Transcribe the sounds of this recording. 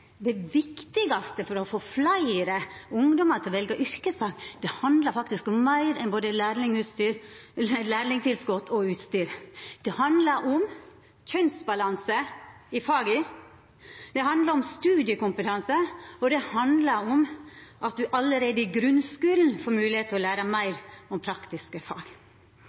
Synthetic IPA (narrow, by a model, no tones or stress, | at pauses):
d̪ɛʋɪkt̪ɪɡɑst̪əfɔɾɔfoflæɪɾəʊŋd̪ɔmɑɾt̪ʰɪlɔʋɛlɡɑʔʏɾkəsɑːkd̪̥ɛhɑnd̪lɑɾfɑkt̪ɪskɔmːæɪɾɛnboːd̪əlæːɾlɪŋʉːt̪st̪yːɾlæːɾlɪŋt̪ʰɪlskɔt̪ʰɔʉːt̪st̪yːɾd̪̥ɛhɑnd̪lɑɾʔɔm | çœnsbɑlɑnsəɪfɑːɡɪ | d̪̥ɛhɑnd̪lɑɾɔmst̪ʉːd̪ɪəkʊmpət̪ʰɑnsəɔd̪ɛhɑnd̪lɑɾɔmʔɑt̪̚d̪ʉʔɑləɾeːd̪əɪɡɾʉnskʉːln̩foːɾmʉːlɪheːt̪əɔlæːɾəmæɪɾɔmpʰɾɑkt̪ɪskəfɑ̰ːɡ